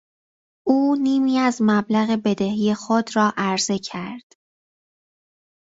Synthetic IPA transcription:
ʔuːniːmiːæzmæblæɣe̞be̞d̪e̞ɦije̞xod̪rɒːʔæɾze̞cʰæɾd̪̥

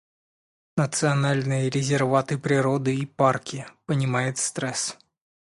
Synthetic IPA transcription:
nət̪sɨɐnalʲnɨjəɾʲɪzʲɪrvat̪ɨpɾʲɪɾo̞d̪ɨiparkʲɪpənʲɪmajɪt̪st̪ɾɛs

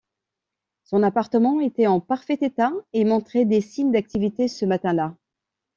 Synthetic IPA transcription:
sɔ̃napaʁt̪əmɑ̃et̪ɛɑ̃paʁfɛt̪et̪aemɔ̃t̪χɛd̪esiɲd̪ak̚t̪ivit̪esəmat̪ɛ̃la

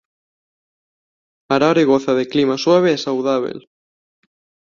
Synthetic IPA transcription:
aɾaɾeɣoθaðeklimaswaβeɛsawðaβ̞ḛl

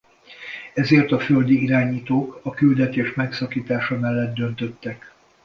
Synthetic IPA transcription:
ɛzeːrt̪ɒføld̪iiɾaːɲiːt̪oːkɒkyld̪ɛt̪eːʃmɛksɒkiːt̪aːʃɒmɛlːɛd̪̚d̪ø̞nt̪ø̞t̪ːɛk

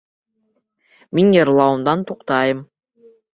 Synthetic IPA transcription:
minjɑɾlˠɑwɤmd̪ɑnt̪ʰuqt̪ɑjɯm

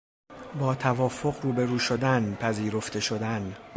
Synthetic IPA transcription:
bɒːt̪ʰævɒːfo̞ɣruːbe̞ɾuːʃo̞d̪ænpʰæziːɾo̞ft̪ʰe̞ʃo̞d̪æn

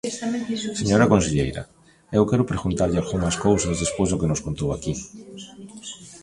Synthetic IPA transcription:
seɲoɾakonseʎḛjɾɐ̰ | ewkɛɾʊpɾeɣunt̪aɾʎɪalɣumaskowsazðespojzðʊkenʊskont̪owaki

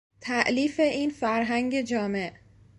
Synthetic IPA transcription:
t̪ʰæʔliːfe̞ʔiːnfæɾɦæŋɟe̞d͡ʒɒːme̞ʔ

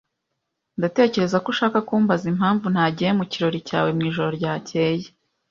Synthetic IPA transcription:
ndate̞ːce̞ɾe̞zakoʃaːkakuːmbazimhaːɱvun̥haːɟijemuciɾo̞ɾica̰ːwe̞mŋiːʒo̞ɾo̞ɾɟaːce̞je

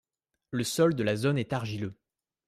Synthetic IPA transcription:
ləsɔld̪əlazonɛt̪aʁʒilø

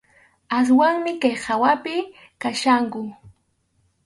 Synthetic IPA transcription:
as̬waŋmɪkajhawapɪ | kaʃaŋkʊ

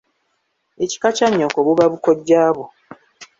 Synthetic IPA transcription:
eci̥kat͡ʃaɲːokoβuβaβukoɟːaːβo

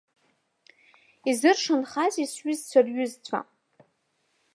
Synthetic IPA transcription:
izɨrʂɨnχazisɥizt͡sʷʰarɥʏzt͡sʷʰa̰

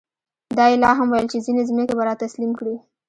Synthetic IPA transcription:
d̪ɑjɪlɑɦamwajəlt͡ʃezinezminekebaɾɑt̪aslimkɽi

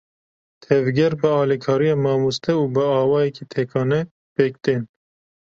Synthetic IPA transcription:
t̪ʰɛvɡʲɛɾbəɑːlikʰɑːɾijɑːmɑːmust̪ʰɛuːbəɑːwɑːjɛkit̪ʰekʰɑːnɛ | peːk̚t̪en

